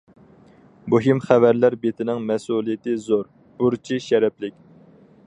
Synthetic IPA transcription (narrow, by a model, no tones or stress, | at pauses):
buɦimχævæɾlæɾbet̪ʰɪnɪŋmɛsulˠijɪt̪ɪzoɾ | b̥uɾt͡ʃʰiʃɛɾɛplɪkʲ